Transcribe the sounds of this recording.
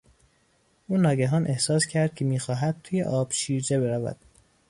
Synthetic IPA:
ʔuːnɒːɟæɦɒːnʔe̞hsɒːscʰæɾd̪̥̚cʲʰemiːxɒːɦæd̪̥̚t̪ʰuːjḛʔɒːb̥ʃiːɾd͡ʒebeɾævæ̰d̪̥

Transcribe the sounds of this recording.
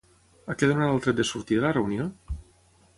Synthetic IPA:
akeðonat̪alˠt̪ɾet̪d̪esuɾt̪iðəlareunijo

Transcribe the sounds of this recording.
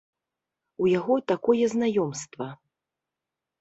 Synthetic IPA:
ujaɣɔt̪akɔjɛznajɔmst̪vɐ

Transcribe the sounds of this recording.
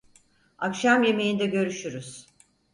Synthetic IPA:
akʃamje̞me̞jind̪ɛɟø̞ɾyʃyɾyz̥

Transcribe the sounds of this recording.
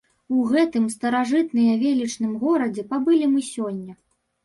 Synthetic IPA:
uɣɛt̪ɨmst̪ɐɾaʐɨt̪nɨjɐvʲelʲit͡ʂnɨmɣɔɾɐd͡zʲɛpabɨlʲimɨsʲɔnʲːɐ

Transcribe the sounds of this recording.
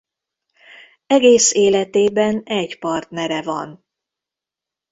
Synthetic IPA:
ɛɡeːseːlɛt̪eːbɛnɛɟpɒrt̪nɛɾɛvɒ̰n

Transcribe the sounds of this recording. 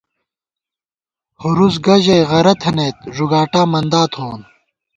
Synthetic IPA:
huɾuzɡɐʑɐjʁɐɾɐt̪ʰɐneːt̪̚ʐuɡaːʈaːmɐnd̪aːt̪ʰhoːn

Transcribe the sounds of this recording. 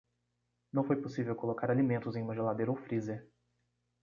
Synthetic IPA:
nɐ̃w̃fojposivewkolokaɾalimẽnt̪ʊzẽj̃mɐ̃ʒelad̪eɾowfɾizeɾ

